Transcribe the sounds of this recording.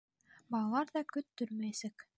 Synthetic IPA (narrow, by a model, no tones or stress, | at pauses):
bɑlˠɑlˠɑɾðɑkɵt̪ːɵɾmæjsæk